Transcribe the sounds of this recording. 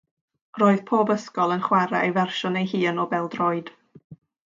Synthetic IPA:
roːɨð̥pʰoːbəskɔlˠənχwaɾa̰ʔejvɛrʃɔnejɦiːənɔbɛlˠdrɔɨd̥

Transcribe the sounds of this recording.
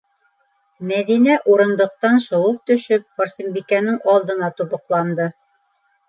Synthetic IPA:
mæðinæʔuɾɤ̆nd̪ɤ̆q̚t̪ɑnʃŏwɤp̚t̪ɵ̆ʃɵp̚χŏɾsʲimbikænɘŋɑlˠd̪ɤ̆nɑt̪uβɤ̆qlˠɑnd̪ɤ

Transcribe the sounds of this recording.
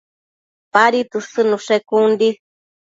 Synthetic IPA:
paɾit̪ɨsɨnuʂekund̪i

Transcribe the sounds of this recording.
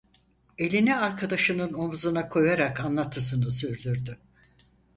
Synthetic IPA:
e̞lʲiniaɾkʰad̪aʃɯnɯno̞muzunakʰo̞jaɾakanlˠat̪ʰːɯs̬ɯnɯsyɾlʲyɾd̪y

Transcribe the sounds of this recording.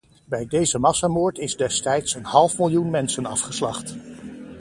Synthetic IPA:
bɛjdejzəmɑsamoːɹtɪzdɛstɛjtsənɦɑlˠfmɪlˠjunmɛnsənɑfχəslɑ̰χt

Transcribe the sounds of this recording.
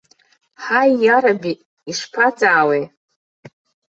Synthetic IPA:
ħajːaɾabiʔ | iʂpʰat͡sʼaːwe

